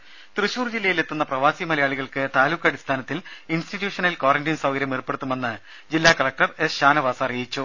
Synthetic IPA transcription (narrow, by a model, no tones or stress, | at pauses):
t̪rɨɕuːrd͡ʑilːɐjile̞t̪ːunːɐprɐʋaːsimɐlɐjaːɭiɣɐɭkɨt̪aːluːkːɐɽist̪ʰaːnɐt̪ːilinstitjuːʂɐnɐlkoːrɐndinsɐʋɡɐɾjɐmirpːe̞ɽut̪ːume̞nːɨ | d͡ʑilːaːkɐɭɐk̚ʈɐresɕaːnɐʋaːsɐɐrijit͡ɕːu